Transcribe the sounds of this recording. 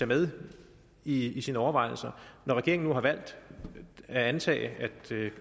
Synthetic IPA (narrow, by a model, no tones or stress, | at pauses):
æmeðˠ | iisiːnəɒʊɐʋɑ̈ɪ̰l̩sɐnɒʁɛɡ̥e̝ɐ̰eŋn̩uɦɑ̈ʋæl̰d̥ | æænt͡sʰɛ̰ːɪæd̥